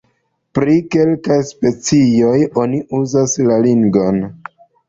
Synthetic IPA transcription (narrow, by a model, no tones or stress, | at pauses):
pɾike̞lkajspe̞t͡sio̞jo̞niuzaslaliŋɡo̞n